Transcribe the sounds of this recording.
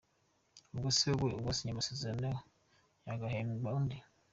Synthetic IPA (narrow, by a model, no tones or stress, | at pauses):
ubɡoseβueubɡosiɲamasezaane | jaɡahembaundi